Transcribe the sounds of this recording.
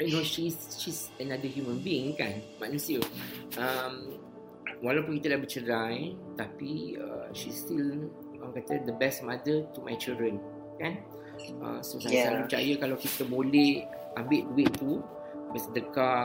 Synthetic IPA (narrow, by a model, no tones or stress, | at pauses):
anoʃisʃisənadəɦjumə̃nbiɪŋkanmãʔnũsiəəm | walawp̬ʊnkit̪ədahbət͡ʃəɾajt̪apiə̰ʃist̪il | wãŋkat̪əd̪əbɛsmadət̪umajt͡ʃildən | kan | ʔə̰sosasalut͡ʃa̰jəkalawkit̪əbolɛh | ʔambɪʔ̚duɪʔt̪u | bɛsdəka